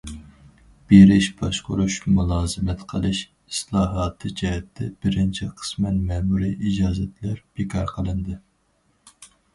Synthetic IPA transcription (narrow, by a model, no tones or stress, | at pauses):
b̥eɾɪʃb̥ɑʃqʊɾuʃkʰʲɛmulˠɑːzɨmɛt̪qʰəlˠɨʃ | islˠɑːɦɑːt̪ʰɨd͡ʒɛɦɛt̪ʰːɛbɪɾɪnt͡ʃʰiqʰə̥smɛnmɛmuɾiʔid͡ʒɑːzɛt̪læɾb̥ekʰɑɾqʰəlˠɨnd̪ɨ